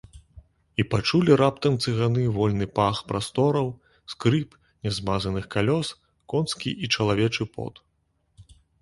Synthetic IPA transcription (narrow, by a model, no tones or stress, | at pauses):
ipat͡ʂulʲiɾapt̪ɐmt̪sɨɣanɨvɔlʲnɨpaxpɾast̪ɔɾɐw | skɾɨp | nʲɛzmazɐnɨxkalʲɔs | kɔnskʲḭʔit͡ʂɐlˠavʲɛt͡ʂɨpɔ̰t̪